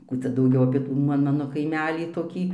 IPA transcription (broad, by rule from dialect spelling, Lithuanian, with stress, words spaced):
ˈkuː t͡sʲɛ dɐʊˈɡʲɛʊ ɐpʲiɛ ˈtuː mɐ ˈmɑːnoː kɐɪˈmʲæːlʲiː toːˈkʲiː